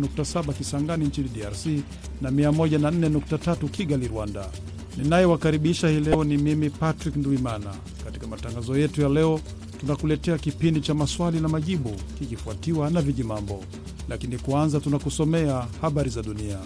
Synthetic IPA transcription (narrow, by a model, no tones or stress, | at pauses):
nuk̚tasaɓakisaŋɡaniɲt͡ʃiniɗiaɾsi | namiamɔʄanan̩nɛnuk̚tatatukiɠaliɾwanda̰ | ninajɛwakaɾiɓiʃahilɛɔnimimipatɾiknduimana̰ | kati̥kamataŋɡazɔjɛtujalɛɔ | tunakulɛtɛakipindit͡ʃamaswalinamaʄiɓukikifuatiwanaviʄimambɔ | lʔakinikwanzatunakusɔmɛahaɓaɾizaɗunia